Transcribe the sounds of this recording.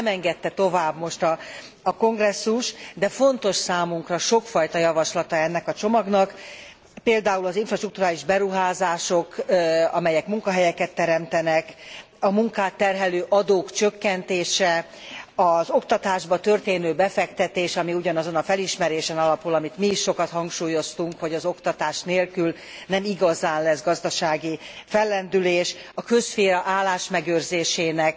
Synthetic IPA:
mɛŋɡɛt̪ːɛt̪o̞vaːbmo̞ʃt̪ɒː | ko̞ŋɡrɛsːuʃd̪ɛfo̞nt̪o̞ʃsaːmuŋkrɒʃo̞kfɒjt̪ɒjɒvɒʃlɒt̪ɒɛnːɛkɒt͡ʃo̞mɒɡnɒk | peːld̪aːulɒziɱfrɒʃt̪rukt̪uɾaːliʒbɛɾuɦaːzaːʃo̞kɒmɛjɛkmuŋkɒɦɛjɛkɛt̪ːɛɾɛmt̪ɛnɛk | ɒmuŋkaːt̪ːɛrɦɛløːʔɒd̪oːkt͡ʃøkːɛnt̪eːʃɛ | ɒzo̞kt̪ɒt̪aːʒbɒt̪ø̞rt̪eːnøːbɛfɛkt̪ɛt̪eːʃɒmiuɟɒnɒzo̞nɒfɛliʃmɛɾeːʃɛnɒlɒpulɒmit̪miːʃːo̞kɒt̪hɒŋkʃuːjo̞st̪uŋkho̞ɟɒzo̞kt̪ɒt̪aːʃneːlkyl | nɛmiɡɒzaːnlɛzɡɒzd̪ɒʃaːɡifɛlːɛnd̪yleːʃɒkø̞ʃfeːɾɒʔaːlːaːʃmɛɡøːrzeːʃeːnɛk

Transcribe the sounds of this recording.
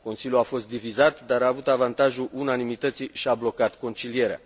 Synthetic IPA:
ko̞nsilʲjuafo̞st̪̚d̪ivizat̪d̪aɾaːvut̪avant̪aʒuʔunanimit̪ət̪siʃiablo̞kat̪ko̞nt͡ʃilije̞ɾea̰

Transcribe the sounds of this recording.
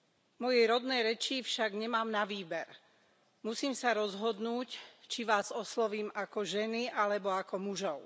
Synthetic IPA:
mɔjɛjɾɔd̪nɛjɾɛt͡ʃifʃaɡɲɛmaːmnaʋiːbɛɾ | musiːmsaɾɔzɦɔd̪nuːct͡ʃiʋaːzɔslɔʋiːmakɔʒɛniʔalɛbɔakɔmuʒɔʊ

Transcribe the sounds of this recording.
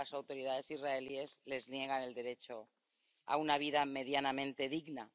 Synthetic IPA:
asawt̪oɾið̞aðe̞sizraelie̞zle̞znje̞ɣ̞ane̞ld̪e̞ɾe̞t͡ʃo̞ | a̰unaβ̞iðame̞ð̞janamẽ̞nt̪e̞ðiɣna

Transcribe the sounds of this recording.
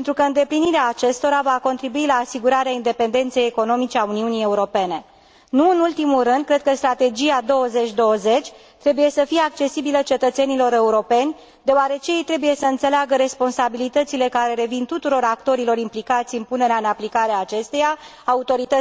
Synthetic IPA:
ent̪ɾukəɨnd̪e̞pliniɾeaːt͡ʃe̞st̪o̞ɾavako̞nt̪ɾibuilaːsiɡuɾaɾeaind̪e̞pe̞nd̪e̞nt̪se̞jeko̞no̞mit͡ʃe̞auniunije̞uɾo̞pe̞ne̞ | nuɨnult̪imulɾɨnd̪̚kɾe̞d̪̚kəst̪ɾat̪e̞d͡ʒiad̪o̞wəze̞t͡ʃʲd̪o̞wəze̞t͡ʃʲ | t̪ɾe̞buje̞səfijeak̚t͡ʃe̞sibilət͡ʃe̞t̪ət̪se̞nilo̞ɾe̞uɾo̞pe̞nʲ | d̪e̞oaɾe̞t͡ʃejejt̪ɾe̞buje̞səɨnt̪se̞leaɡəɾe̞spo̞nsabilit̪ət̪sile̞kaɾe̞ɾe̞vint̪ut̪uɾo̞ɾakt̪o̞ɾilo̞ɾimplikat̪sʲɨnpune̞ɾeaɨnaplikaɾeaːt͡ʃe̞st̪eja | aut̪o̞ɾit̪ə

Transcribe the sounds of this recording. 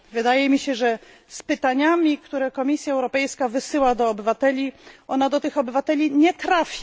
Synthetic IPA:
vɘd̪ajɛmʲiɕɛʐɛ | spɘt̪aɲamʲikt̪uɾɛkɔmʲisʲjaɛwɾɔpɛjskavɘsɘwad̪ɔːbɘvat̪ɛlʲiʔɔnad̪ɔt̪ɘxɔbɘvat̪ɛlʲiɲɛt̪ɾafʲ

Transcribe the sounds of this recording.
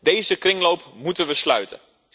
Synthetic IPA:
deːzəkrɪŋlowpmutənʋəslœ̰ɥtə̰

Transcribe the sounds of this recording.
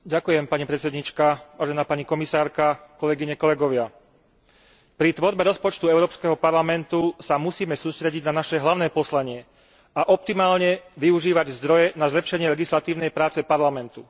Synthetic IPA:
ɟakujɛmpaɲipɾɛt̪t͡sɛd̪ɲit͡ʃkaʋaːʒɛnaːpaɲikɔmisaːɾkakɔlɛɡiɲɛkɔlɛɡɔʋɪa | pɾit̪ʋɔɾbɛɾɔspɔt͡ʃt̪uɛʊɾɔːpskɛɦɔpaɾlamɛnt̪usamusiːmɛsuːst̪ɾɛɟiɟnanaʃɛɦlaʊnɛːpɔslaɲɪɛ | aʔɔp̚t̪imaːlɲɛʋiuʒiːʋaɟzd̪ɾɔjɛnazlɛpʃɛɲɪɛlɛɡislat̪iːʊnɛjpɾaːt͡sɛpaɾlamɛnt̪u

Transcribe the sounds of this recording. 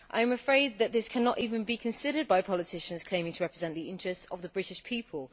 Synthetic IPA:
ʔa̰ɪə̃məfɹeɪd̪̚ðəʔðɪskʰanətiːvə̃nbikʰə̃nsɪɾəd̚baɪpʰɒlɪtʰɪʃə̃nz̥kʰl̥ẽɪ̃mɪ̃ŋtʰəɹɛpɹɪzɛ̃nʔðiɪ̃nt͡ʃɹ̥ɛstsə̰vðəbɹɪtɪʃpʰiˑpʰəlˠ

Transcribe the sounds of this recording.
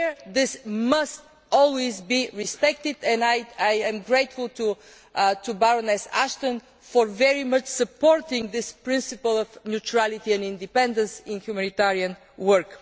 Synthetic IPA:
ðɪsməst̪ | ɔlˠwizbiɹɪspɛk̚t̪ɪd̪ɛ̃najajɛ̃mɡɹeɪt̪fʊlˠt̪ʰu | t̪ʰubaɹɔnɛsæ̰ʃt̪ə̃n | fɔɹvɛɹimʌt͡ʃsəpɔɹt̪ɪ̃ŋðɪspɹɪ̃nsɨpəlˠɔvnjut͡ʃɹælˠɪt̪iɛ̃nɪ̃nd̪ɨpɛ̃nd̪ə̃nsɪ̃nhjumænit̪ɛɹiə̃n | wəɹk

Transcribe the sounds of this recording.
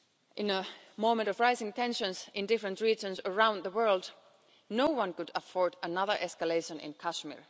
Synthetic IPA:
ʔɪ̃nə | mõʊ̃mə̃ntʌvɹaɪzɪ̃ŋtʰɛ̃nʃə̃nsɪ̃ndɪfɹə̃ntɹiːd͡ʒə̃nsəɹãʊ̃nd̪ðəwɜ˞lˠd | noʊwʌ̃nkʊdəfɔɹdənʌðə˞ʔɛskəleɪʃə̃nɪ̰̃nkʰæʃmɪ̰ɹ

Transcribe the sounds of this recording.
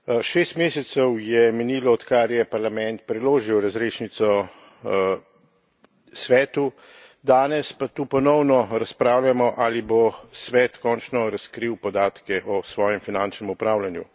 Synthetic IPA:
ʃeːst̪meːsɛt̪sɛwjɛmɛniːlɔɔt̪kaɾjɛpaɾlamɛnt̪̚pɾɛloːʒiwɾazɾeːʃnit̪sɔ | sʋɛːt̪u | d̪aːnɛspat̪uːpɔnɔwnɔɾaspɾaːwlʲjamɔʔalibosʋɛːt̪kɔːnt͡ʃnɔɾaskɾiwpɔd̪aːt̪kɛʔɔsʋɔːjɛmfinant͡ʃnɛmupɾaːwlanjṵ

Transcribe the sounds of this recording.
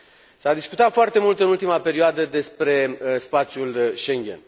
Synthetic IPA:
sad̪iskut̪at̪foart̪e̞mult̪ɨnult̪imape̞ɾioad̪əd̪e̞spɾe̞spat̪sʲjulʃe̞ŋɡʲe̞̰n

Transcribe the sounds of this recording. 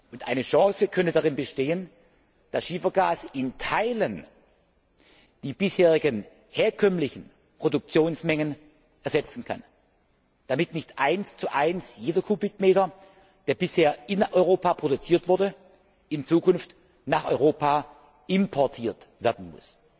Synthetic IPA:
ʔʊntʔaɪnəʃɑ̃ŋsəkʰœntədaʁɪnbəʃteːən | d̥asʃiːfɐɡaːsʔɪntʰaɪlən | d̥iːbɪsheːʁ̞ɪɡən | heːɐkʰœmlɪçn̩ | pʁ̥odʊk̚t͡sjoːnsmɛŋən | ʔɛɐzɛt͡sn̩kʰa̰n | d̥amɪtnɪçtʔaɪnst͡suʔaɪnsjeːdɐkʰubɪkmeːtɐ | d̥eːɐbɪsheːɐʔɪnʔɔʏʁ̞oːpaːpʁ̥odʊt͡siːɐtv̥ʊɐdə | ɪnt͡suːkʊnft | naːχɔ̰ʏʁoːpaː | ɪmpʰɔɐtʰiːɐtv̥ɛːɐdn̩mʊ̰s

